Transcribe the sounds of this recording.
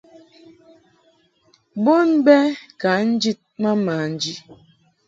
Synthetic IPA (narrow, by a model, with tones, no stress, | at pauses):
bo˦nbɛ˦ka˨˦n̩˦d͡ʒi˦t̚ma˦maː˨n̩˦d͡ʒi˦